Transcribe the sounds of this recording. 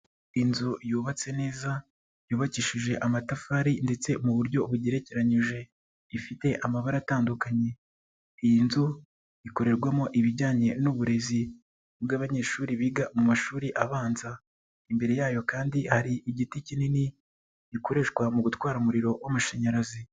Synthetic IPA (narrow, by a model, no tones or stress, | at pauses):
inzujuːβat͡se̞ne̞ːza | juːβaciːʃiʒe̞ʔamatafaːɾinde̞t͡se̞muβuɾɟo̞βuɟeɾe̞ceɾaɲiʒe̞ | ifite̞ʔamaβaɾataːndukaɲe̞ | ijinzu | iko̞ɾe̞ɾɡwamoʔiβiɟaːɲe̞nuβuɾe̞zi | bɡaːβaɲe̞ːʃuːɾiβiɡamumaʃuːɾiʔaβaːnza | imbe̞ɾe̞jaːjo̞kaːndihaɾiʔiɟiticinini | iko̞ɾe̞ʃɡwamuɡutwaːɾaumuɾiɾo̞wamuʃaɲaɾazi